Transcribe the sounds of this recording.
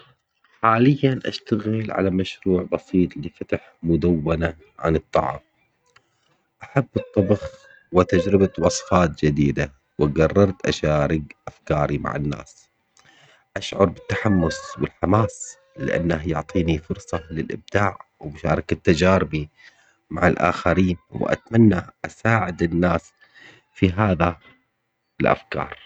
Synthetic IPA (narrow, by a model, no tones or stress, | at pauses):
ħaːlɪjːanʔa̰ʃt̪aɣɪlʕa̰lamaʃɾuːʕbɑsiːt̪ˤlifat̪aħmʊd̪awːana | ʕa̰nɨt̪ˤːɑʕɑ̰m | ʔaħabːɨt̪ˤːɑbɑx | wɪt̪ad͡ʒɾɪbat̪wɑsˤfɑːt̪̚d͡ʒɪd̪iːd̪a | wɪɡɑrˤːɑɾˤt̪ʔa̰ʃaːɾɪɡʔafkɑːɾima̰ʕɪ̰nːa̰ːs | ʔaʃʕʊɾˤbɪt̪ːaħamːʊswɪlħamaːs | lɪ̰ʔa̰nːahjʊʕt̪ˤiːnifʊɾsˤɑlɪlʔɪ̰b̚d̪aːʕwɪmʊʃaːɾˤɑkat̪ːad͡ʒaːɾɪbi | maʕalʔa̰ːxaɾiːnwɪ̰ʔa̰t̪manːaʔasaːʕɪd̪ɪnːaːs | fiɦaːða | ɪlʔa̰fkɑ̰ːɾˤ